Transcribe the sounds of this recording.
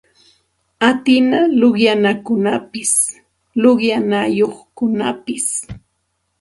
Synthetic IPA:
at̪ɪnaloχjanakʊnapɪs | loɢjanajoχkʊnapɪs

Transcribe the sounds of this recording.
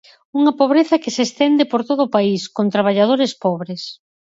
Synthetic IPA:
uŋɐpoβ̞ɾeθɐkesest̪ɛnd̪epoɾt̪oðʊːpaiskont̪ɾaβ̞aʎað̞oɾespɔβɾes

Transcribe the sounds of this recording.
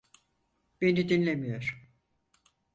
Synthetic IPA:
b̥e̞nid̪inlʲemijoɾ̥

